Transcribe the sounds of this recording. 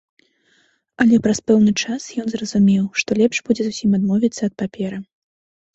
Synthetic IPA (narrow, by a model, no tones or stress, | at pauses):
ɐlʲɛpɾɐspɛwnɨt͡ʂasjɔnzrɐzumʲɛwʂt̪ɔlʲɛpʂbud͡zʲɛzusʲimad̪mɔvʲit̪sːɐːt̪̚papʲɛɾɨ